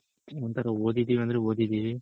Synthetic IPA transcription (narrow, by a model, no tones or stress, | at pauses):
ʋɐnt̪ɐɾɐoːd̪id̪iːʋiɐnd̪ɐɾeoːd̪id̪iʋi